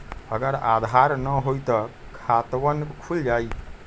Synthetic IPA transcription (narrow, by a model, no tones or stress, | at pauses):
əɡəɾad̪ʱaɾnəɦojt̪əkʰat̪ʋənkʰuld͡ʒaj